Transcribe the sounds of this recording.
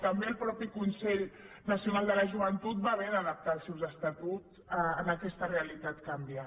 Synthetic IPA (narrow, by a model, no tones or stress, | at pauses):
t̪əmbeəlˠpɾɔpikunsɛʎ | nəsiunalˠd̪ələʒuβənt̪ut̪̚baβenəðəp̚t̪aːlˠsɛwzəst̪at̪ut͡s | əənakɛst̪əreəlit̪at̪kambia